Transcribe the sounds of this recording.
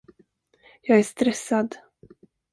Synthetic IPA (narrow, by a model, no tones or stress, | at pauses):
jɑːɡæʂt̪ɾɛsːad̪